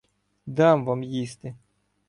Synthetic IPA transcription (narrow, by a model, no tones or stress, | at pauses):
d̪amvamjist̪ɪ